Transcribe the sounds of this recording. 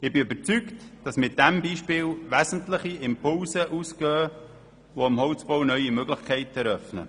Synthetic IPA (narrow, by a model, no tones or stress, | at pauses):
ɪbɪøbəɾt͡syktd̥ɑsmɪt̚d̥ɛmbiːʃpɪːlʋæsn̩tləχiɪmpʊlsəʔuːskøː | ʋoəmhɔʊt͡sb̥ownœjimøɡlɪχkʰɛɪtɛɾœfnə̰